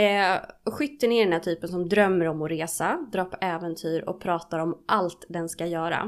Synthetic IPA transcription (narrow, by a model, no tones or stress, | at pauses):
ɧʏt̪ːəɳeːɖɛnhæːʈʰyːpənsɔmd̪ɾœmːəɾɔmːɔɾeːsad̪ɾɑːɾpʰɔʔɛːvɛnt̪ʰyːɾɔ̰k̚pʰɾɑːt̪aɾɔmʔalt̪d̪ɛnskajœːɾa̰